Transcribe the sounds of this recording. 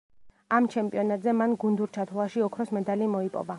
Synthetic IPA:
amt͡ʃʰɛmpʼiɔnat̪ʼzɛmanɡund̪uɾt͡ʃʰat̪ʰlˠaʃiɔkʰɾɔsmɛd̪alimɔipʼɔ̰va

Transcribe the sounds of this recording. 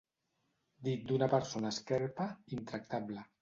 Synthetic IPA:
d̪it̪̚d̪unapəɾsonaskɛɾpaint̪ɾak̚t̪ablə

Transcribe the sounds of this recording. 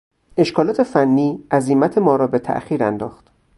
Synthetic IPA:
e̞ʃkʰɒːlɒːt̪ʰefænːiːʔæzimæt̪ʰe̞mɒːɾɒːbe̞t̪ʰæ̰ʔxiːɾænd̪ɒːxt̪

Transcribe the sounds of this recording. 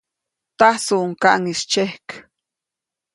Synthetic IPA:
t̪asuŋkaʔŋist͡ʃehk

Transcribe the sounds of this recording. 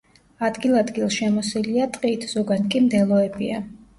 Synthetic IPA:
ad̪ɡilˠad̪ɡilˠʃɛmɔsiliat̪ʼqʼiːt̪ʰz̥ɔɡankʼimd̪ɛlˠɔɛbia

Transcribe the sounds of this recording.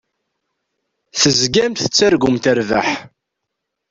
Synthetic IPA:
θəzɡæmθə̥t͡sːæɾɡʊmt̪æɾva̰ħ

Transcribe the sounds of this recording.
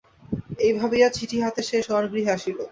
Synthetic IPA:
ejbʱabejat͡ɕʰiʈʰiɦat̪eʃeʃɔɾɡɾiɦeaʃilo

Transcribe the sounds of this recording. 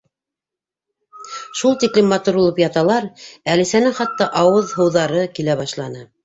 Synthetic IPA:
ʃulˠt̪iklɘmːɑt̪uɾulˠɤpjɑt̪ɑlˠɑɾælĭsænɘŋχɑt̪ːɑʔɑwɤðhɤ̆wðɑɾɤkilæβɑʃlˠɑnɤ

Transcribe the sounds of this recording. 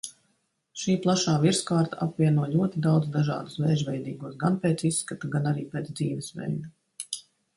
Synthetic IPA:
ʃiːplˠaʃaːviɾskaːɾt̪aʔapvʲiɛnuɔlʲuɔt̪id̪awd̪zd̪aʒɑ̰ːd̪usvɛːʒvɛjd̪iːɡuɔsɡanpeːt̪sisːkat̪aɡanaɾiːpeːt̪sd̪ziːʋɛsʋɛ̰jnu

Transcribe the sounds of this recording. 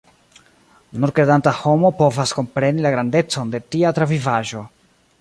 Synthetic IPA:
nuɾkɾedantaho̞mopo̞vasko̞mpɾe̞nilaɡɾande̞t͡so̞nde̞tiat̪ɾavivaʒo̞

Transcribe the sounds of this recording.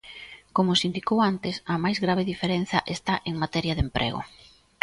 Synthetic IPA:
komʊsind̪ikowant̪ɪsɐmajzɣɾaβeðifeɾɛn̟θɐʔest̪aʔeŋmat̪ɛɾjɐðempɾʔɛ̰ɣʊ̰

